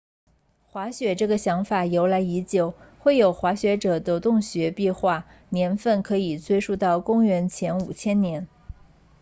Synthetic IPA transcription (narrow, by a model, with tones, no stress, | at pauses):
xwa˧˥ɕɥɛ˨˩ʈ͡ʂɤ˥˩ɡə˩ɕjɑ˧˥ŋfa˨˩jo˧˥ʊla˧˥ɪi˧˥t͡ɕjo˨˩ʊxwe˥˩ɪjo˨˩ʊxwa˧˥ɕɥɛ˧˥ʈ͡ʂɤ˨˩d̪ə˦t̪ʊ˥˩ŋɕɥɛ˧˥pi˥˧xwa˥˩njɛ˧˥nfə˥˩nkʰɤ˧˥i˨˩t͡swe˥˧ɪʂu˥˧t̪ɑ˥˩ʊkʊ˥ŋɥɛ˧˥nt͡ɕʰjɛ˧˥nu˨˩t͡ɕʰjɛ˥nnjɛ˧˥n